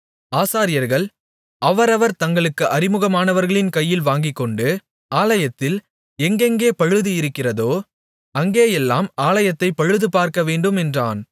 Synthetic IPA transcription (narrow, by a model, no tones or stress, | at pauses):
aːsaːɾɪjɐɾɣɐɭ | ɐʋɐɾɐʋɐɾt̪ɐŋɡɐɭɯkːɯʔɐɾɪmɯɣɐmaːnɐʋɐɾɣɐɭɪnkɐjːɪlʋaːŋɡɪkːɔɳɖɯ | aːlɐjɐt̪ːɪl | ɛŋɡɛŋɡeːpɐɻɯðɯɪɾɯkːɪrɐðoː | ɐŋɡeːjɛlːaːmaːlɐjɐt̪ːɐɪpɐɻɯðɯpaːɾkɐʋeːɳɖɯmɛndraːn